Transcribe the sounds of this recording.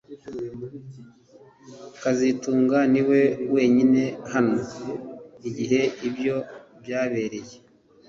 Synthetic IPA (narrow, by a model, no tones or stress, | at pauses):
kazituːŋɡaniwe̞we̞ːɲine̞hano̞ | iɟiɦe̞ibjo̞bjaːβe̞ːɾe̞je